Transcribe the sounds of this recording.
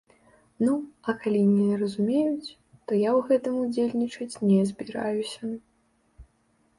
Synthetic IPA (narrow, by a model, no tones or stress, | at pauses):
nuɐkalʲinʲɛɾɐzumʲejut͡sʲ | t̪ɔjawɣɛt̪ɨmud͡zʲelʲnʲit͡ʂɐt͡sʲnʲɛzʲbʲiɾa̰jusʲɐ